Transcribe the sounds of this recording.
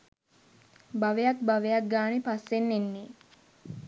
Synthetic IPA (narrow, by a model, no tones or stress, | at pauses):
baʋejak̚baʋejak̚ɡaːnepasːenːenːe